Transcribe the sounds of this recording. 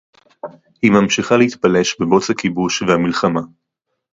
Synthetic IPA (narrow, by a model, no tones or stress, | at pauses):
himamʃiχaleit̪pale̞ʃbebo̞t͡shakibuʃvehamilχama